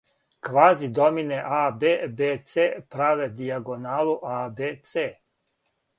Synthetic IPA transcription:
kʋaːzid̪omineʔabeːbeːt̪seːpɾaʋed̪iaɡonaːlˠuʔaːbet̪seː

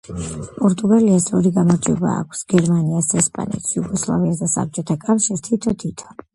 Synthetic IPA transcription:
pʼɔɾt̪ʼuɡaliasɔɾiɡamɔd͡ʒiɔba̰ːkʷʰsɡ̥ɛɾmaniasɛspʼa̰nɛ̰t̪ʰsjuɡɔslˠa̰viasd̪asa̰p̚t͡ʃʼɔt̪ʰakʼafʃiɾt̪ʰit̪ʰɔt̪ʰit̪ʰɔ̥

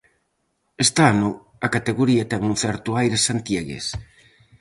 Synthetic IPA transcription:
est̪anʊ | ɐkat̪eɣoɾiɐt̪ɛŋunθɛɾt̪ʊajɾesant̪jeɣḛs

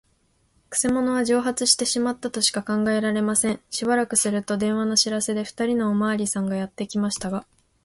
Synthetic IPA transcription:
kɯ̟̥se̞mo̞no̞β̞aʑo̞ːɦat͡sɨɕi̥t̪e̞ɕimat̪ːat̪o̞ɕi̥kakãŋɡae̞ɾaɾe̞masẽ̞ɰ̃ɕibaɾakɯ̟sɨɾɯ̟t̪o̞d̪ẽ̞ɰ̃β̞ano̞ɕiɾase̞d̪e̞ɸɯ̟̥t̪aɾʲino̞ːmaːɾʲisãŋɡajat̪ːe̞kʲimaɕi̥t̪aɡa

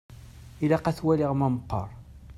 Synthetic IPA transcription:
ilaqæθwæliʁmæmqːə̰ɾˤ

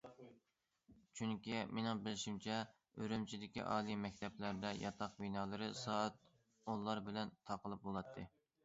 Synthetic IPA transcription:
t͡ʃʰyŋkʲimenɪŋbɪlɪʃimt͡ʃʰɛ | øɾymt͡ʃʰid̪ɪkʲḭʔɑ̰ːlˠijmɛk̚ʲt̪ʰɛplæɾd̪ɛjɑ̰t̪ʰɑqbinɑːlˠɨɾɨsɑːt̪̚ | olˠːɑɾbɪlɛnt̪ʰɑqəlˠɨp̚bolˠɑt̪ʰːɨ

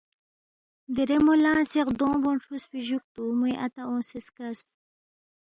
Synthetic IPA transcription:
d̪iɾemulãːseqd̪õːbonʂusfiʑuk̚t̪umujʔat̪aõːseskaɾs

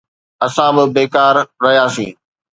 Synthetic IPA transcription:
ɐsãbɪbeːkaːɾːɐɦjaːsḭ̃ː

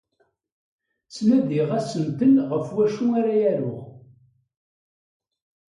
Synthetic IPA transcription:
t͡sːmæðiʁæsəmt̪əlʁəfwæʃuaɾajæɾʊ̰ʁ

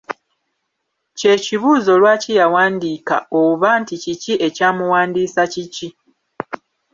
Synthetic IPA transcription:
ce̞ːciβuːzo̞lwaːcijawaːndiːka̰oβanticiciʔe̞caːmuwaːndiːsacici

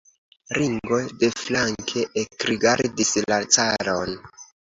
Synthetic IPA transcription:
ɾiŋɡo̞jde̞flaŋkʰe̞ʔekɾiɡaɾdislat͡saɾo̞n

